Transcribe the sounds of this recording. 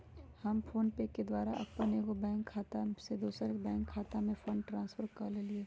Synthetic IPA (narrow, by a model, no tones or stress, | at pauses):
hɐmpʰoːnpeːkːed̪waːɾaʔɐ̰pːənekobɛ̃ːŋkʰːaːt̪ased̪uːsaɾbɛ̃ːŋkʰːaːt̪amẽfoːɳʈɾãːnsfʰəɾkɐɾlelieː